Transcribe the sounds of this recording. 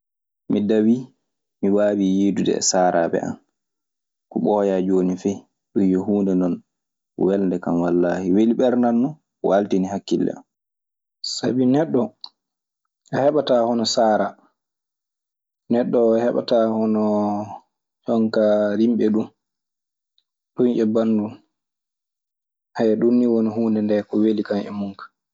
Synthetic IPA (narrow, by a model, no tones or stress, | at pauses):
midawi | miwaːwijidudɛ̰saːɾʔabɛ̰ʔa̰n | kɔɓɔːjad͡ʒoːnifɛj | ɗumjɔhuːndɛnɔn | wɛlndɛkamwalːahiweliɓɛɾnanːɔ | wʔaltinihakːilːɛ̰an | sabinɛɗːɔ | ʔahɛɓatahɔnɔsaːɾa | nɛɗːɔhɛɓa̰tahɔnɔ | jɔŋkaɾimɓɛɗum | ɗunʔɛbandun | hajɛɗunːiwonihuːndɛndɛkɔwelikanɛ̰muŋkḁ